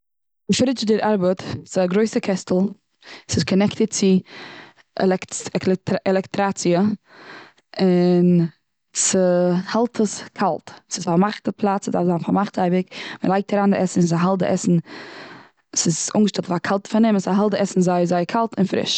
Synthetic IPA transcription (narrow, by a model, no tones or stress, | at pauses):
ɪfɾɪt͡ʃdɪɾaɾbətsɪzaɡɾoɪsəkʰɛstl̩ˠ | sɪskʰɔnɛktət̚t͡sɪ | ɛ̰lɛkɛktɛlˠɛktɾat͡siə | ɪn | səhalˠtʰəskʰalˠtsɪsfamaχtəpʰlˠat͡sədafzaːnfamaχtaɪbɪkmə̰lˠaɪk̚tʰaɾaːnəɾʔɛsn̩saɦalˠtʔɛ̰sn̩ | sɪzʊ̰ŋɡəʃtɛlˠtfakʰalˠtfɪnɪmsaɦalˠtɛsn̩zaɪzaɪkʰalˠtɪnfɾɪ̰ʃ